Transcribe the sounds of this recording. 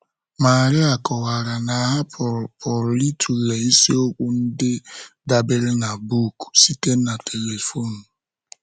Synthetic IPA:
ma˨ɾɪ˦a˨kɔ˨ɣa˨ɾa˨na˨ɦa˦ppɔ˨ɾli˦tʰu˨ɣe˨i˦si˦o˦kʷʊ˦n̩˦dɪ˦da˨be˦lna˨bu˦˨ku˨si˦ke˦na˨tʰe˨le˨fo˦˨nu˨

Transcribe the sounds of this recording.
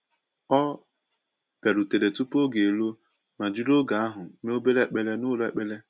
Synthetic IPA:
ɔ˦ | pe˨ɾu˨te˨ɾe˨tu˦po˦ɡe˨e˨lo˦ | ma˨d͡ʒi˦ɾo˦ɡa˨a˦ɦʊ˨˦me˦o˦be˦le˦˨k͡pe˦le˦nʊ˦lḛ˨k͡pe˦le˦

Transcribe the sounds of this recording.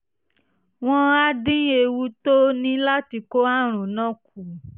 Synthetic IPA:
w̃ɔ̃˧a˧dĩ˦e˧wu˧to˦nĩ˦la˦ti˧ko˦a˦˨ɾ̃ũ˨nã˦ku˨

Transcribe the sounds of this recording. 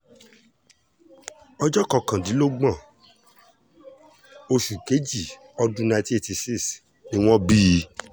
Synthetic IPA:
ɔ˧d͡ʒɔ˦kɔ˧kã˨di˨˦lo˦ɡ͡bã˦˨ | o˧ʃu˨ke˨˦d͡ʒi˦˨ | ɔ˧dũ˦na˧ti˦e˦˨ti˧si˦˨s | nĩ˦w̃ɔ̃˦bi˦˧˦

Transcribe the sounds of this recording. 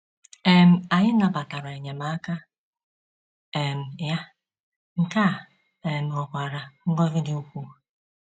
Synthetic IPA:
e˦m̩˦a˨ɲɪ˦na˨ba˨ta˨ɾa˨e˨ɲe˨ma˨˦ka˦ | e˨m̩˨ja˦ | ŋ̩˨ka˦˨ | e˨m̩˨ɔ˨kʷa˨ɾa˨ŋ̩˦ɡɔ˦vɪ˦di˦u˦kʷu˦˨

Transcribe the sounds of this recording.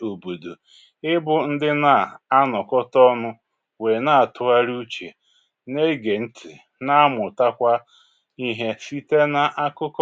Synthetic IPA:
o˨bo˨do˨ | ɪ˦bʊ˦n̩˦dɪ˦na˨a˦nɔ˨kɔ˦tɔ˦nʊ˦ | we˨na˦a˨tʊ˨a˦ɾu˦t͡ʃḛ˨ | ne˦ɡe˨n̩˦tʰɪ˨ | na˦a˦mʊ˨ta˦kʷa˦ | i˦ɦe˦si˦te˦na˨ʔa˦kʊ˦kɔ˦

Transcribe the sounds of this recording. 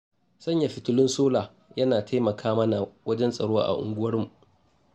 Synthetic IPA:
sɐ˦ɲja˨ɸɪ˨tʊ˦lɪ˦nsoː˦laː˨ | jɐ˦naː˨tʰa˦jmɐ˨kʰaː˦mɐ˦na˨wɐ˦d͡ʒɛ˦nsʼɐ˨ɽoː˦ʔa̰˨ʔʊ̰˨ŋɡʷʊ˦wɐ˦rmu˨ʔ

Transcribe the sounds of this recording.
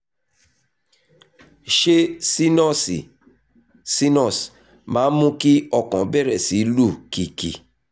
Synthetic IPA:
ʃe˦˨ | si˦nɔ˦˨s | mã˨˦mũ˦ki˦ɔ˦kɔ̃˨˦bɛ˦ɾɛ˨si˨˦lu˦˨ki˨kḭ˨

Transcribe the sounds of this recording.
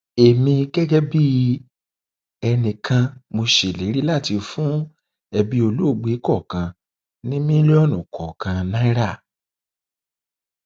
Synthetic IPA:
e˨mĩ˧ɡɛ˦ɡɛ˦bi˦ | ɛ˧nĩ˨kã˧mo˧ʃe˨le˨˦ɾi˦la˦˨ti˧fũ˦ | ɛ˧bi˦o˧lo˦˨ɡ͡be˨˦kɔ˦˨kã˧ | nĩ˦mĩ˦le˦ɔ˦˨nũ˨kɔ˨kã˧nã˦i˦ɾa˦˨

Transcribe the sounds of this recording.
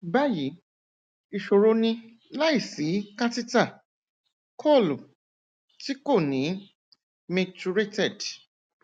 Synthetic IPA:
ba˦ji˨˦ | i˨ʃo˨ɾo˧nĩ˧ | la˦i˦˨si˨˦kã˦ti˦ta˦˨ | kʰɔ˦˨lu˨ | ti˦ko˦˨nĩ˨˦ | mẽ˧tu˧ɾe˦tɛ˦˨d

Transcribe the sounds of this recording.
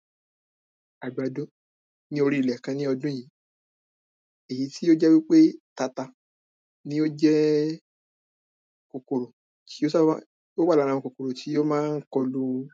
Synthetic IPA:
a˨du˨a˨dõ˦ | nĩ˦o˧ɾi˦i˨lɛ˨kã˧nĩ˦ɔ˧dũ˦jĩ˨˦ | e˨ji˨˦ti˦jo˦d͡ʒɛ˦wi˦k͡pe˦ta˧ta˧ | nĩ˦o˦d͡ʒɛ˦ | ko˨ko˨ɾo˨ | tʰi˨˦o˦sa˦ | o˦a˦˨la˨˦ɾ̃ã˧ɔ̃˧ko˨ko˨ɾo˨tʰi˨˦jo˦mãː˦˧n̩˦kɔ˧lu˦

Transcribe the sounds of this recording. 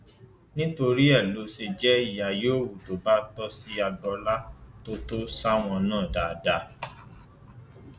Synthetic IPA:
nĩ˦to˧ɾi˦ɛ˦˨lo˨˦se˧d͡ʒɛ˦i˦˨ja˨joː˦˨wu˨to˨ba˦tɔ˦si˦a˧dɔ˧la˦to˦to˦sa˦w̃ɔ̃˧nãː˦˨da˨˧da˧˦

